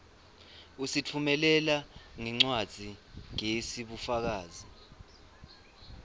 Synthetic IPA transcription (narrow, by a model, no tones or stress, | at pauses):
usit͡fʰumɛlɛlaŋɛŋ͡ǀwad̥ʱiŋesiɓufak̬aːzi